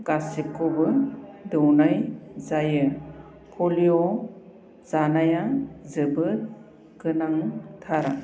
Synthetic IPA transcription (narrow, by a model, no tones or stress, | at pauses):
ɡ̥asip̚kobɯdɯwnajzajɯ | pʰɔliɔ | zanajazɯbɯt̚ | kɯnaŋtʰaɾa̰